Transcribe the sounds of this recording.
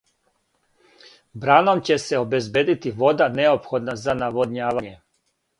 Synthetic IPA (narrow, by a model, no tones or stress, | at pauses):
bɾaːnomt͡ɕeseobezbeːd̪it̪iʋo̞d̪aneopxod̪nazanaʋod̪ɲaːʋaɲe